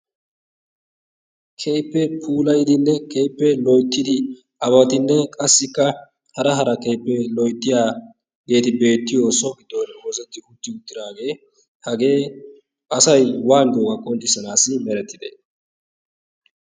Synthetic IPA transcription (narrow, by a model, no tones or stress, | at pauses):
kʰejpːɛpʰuːlɐjd̪ɪnːɛkʰeːjpːɛlɔjt̪ːɪd̪ɪ | ʔɐβɐt̪ɪnːɛkʼɐsːɪkːɐ | hɐɾɐɦɐɾɐkeːpːɛlɔjt̪ːɪjaː | ɡe̞ːt̪ɪbe̞ːt̪ːɪjosɔɡɪd̪ːonwɔzɛt̪ːɪhʊt̪ːɪʊt̪ːɪd̪aːɡe̞ː | hɐɡe̞ː | ʔɐsɐjwaːnd̪oːɡɐkʼːɔnt͡ʃ̪ɪsɐnaːsɪmɛɾɛt̪ːɪd̪ḛ